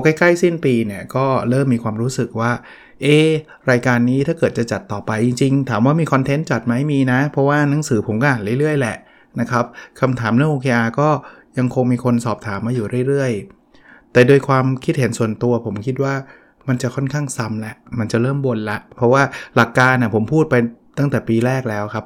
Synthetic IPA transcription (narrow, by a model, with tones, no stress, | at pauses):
a˧˩ka˥˩jkla˥˩jsi˥˩npiː˧ni˥˩ɐkɔː˥˩ɾɤː˥˩mːiː˧kʰwaː˧mɾuː˦˥sɯ˨˩k̚waː˥˩ | ʔeː˧˥˩ | ɾaː˧jkaː˧nːiː˦˥t̪ʰaː˥˩kɤː˨˩t̪̚t͡ɕa˨˩t͡ɕa˨˩t̪ːɔː˨˩pa˧jːi˧ŋt͡ɕi˧ŋt̪ʰaː˩˦mwaː˥˩miː˧kʰɔ˧nt̪ʰe˦˥nt͡ɕa˨˩t̪̚ma˦˥jmiː˧na˦˥pʰɾɔ˦˥waː˥˩na˩˦ŋsɯː˩˦pʰo˩˦mkɔː˥˩ʔa˨˩ɾɯ˥˩ɾɯ˥˩əjlɛ˨˩ʔ | na˦˥kʰa˦˥p̚kʰa˧mt̪ʰaː˩˦mlɯ˥˩˨ʔoː˧kʰeː˧ʔaː˧kɔː˥˩ja˧ŋkʰo˧ŋmiː˧kʰo˧nsɔː˨˩p̚t̪ʰaː˩˦mːaː˧juː˨˩ɾɯ˥˩əjɾɯ˥˩əj | t̪ɛː˨˩doː˧jkʰwaː˧mkʰi˦˥t̪̚he˩˦nsu˨˩ənt̪u˧ɐpʰo˩˦mkʰi˦˥t̪̚waː˥˩ | ma˧nt͡ɕa˨˩kʰɔ˥˩nkʰaː˥˩ŋsa˧˥mlɛ˦˥ʔma˧nt͡ɕa˨˩ɾɤː˥˩mbo˧nla˦˥ʔpʰɾɔ˦˥waː˥˩la˨˩kːaː˧nːa˨˩pʰo˩˦mpʰuː˥˩t̪̚pa˧j | t̪a˥˩ŋt̪ɛː˨˩piː˧ɾɛː˥˩k̚lɛː˦˥wkʰa˦˥p̚